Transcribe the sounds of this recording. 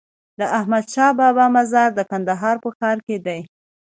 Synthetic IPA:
d̪əʔahmad̪ʃɑbɑbɑmazɑɾd̪əkand̪aɦɑɾpəxɑɾked̪aj

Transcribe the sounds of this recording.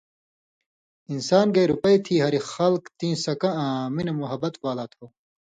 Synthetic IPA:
insaːnɡɐjɾupɐit̪ʰiːɦɐɾixɐlkt̪ĩːsɐkɐ̃ãːminɐmuɦɐbɐt̪waːlaːt̪ʰoː

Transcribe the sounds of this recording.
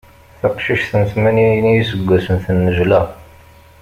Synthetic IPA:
θɑqʃiʃθənsmæninijisəɡʷːæsənθənːəʒlæ

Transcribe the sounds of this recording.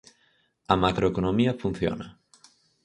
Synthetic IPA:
amakɾoekonomiafun̟θjo̰na

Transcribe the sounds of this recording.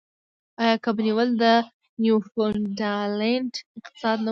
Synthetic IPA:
ɑjɑkəbaniwəld̪ə | njufondaleɳʈɪqt̪ɪ̥sɑd̪̚na

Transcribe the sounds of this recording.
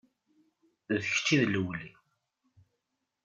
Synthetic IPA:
ðəç̥t͡ʃːiðləwli

